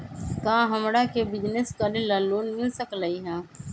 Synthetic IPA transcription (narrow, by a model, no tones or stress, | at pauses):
kãːɦɐmɽakebɪd͡ʒneskalelaːloːnmɪlsəkləiɦɛ̃ː